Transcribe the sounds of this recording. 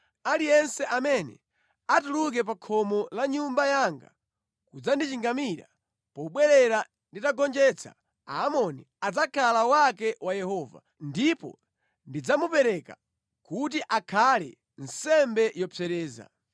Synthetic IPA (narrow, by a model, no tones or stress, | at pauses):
alijɛnsɛʔamɛnɛ̰ | atuluk̬ɛp̬akʰɔmɔlaɲumbajaŋɡa̰ | kud͡zandit͡ʃiŋɡamiɾa̰ | pɔɓwɛɾɛɾa | nditaɡɔnd͡ʒɛt͡sʰa̰ | aːmɔni | ad͡zakʰalawakɛwajɛhɔva̰ | ndipɔ̰ | ndid͡zamupɛɾɛka | kut̬iʔakʰalɛ̰ | n̩sɛmbɛjɔpɛɾɛːza̰